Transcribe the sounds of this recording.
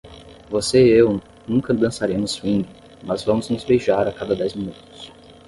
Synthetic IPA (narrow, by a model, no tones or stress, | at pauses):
voseew | nũŋkɐd̪ɐ̃saɾẽmʊshĩɡʊ | mɐzvɐ̃mʊznʊzbejʒaɾakad̪ɐd̪ɛzmĩnut̪ʊ̥s